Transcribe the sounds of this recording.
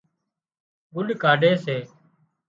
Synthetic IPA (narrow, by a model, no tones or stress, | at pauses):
ɡʊɗkaːɖʱeːseː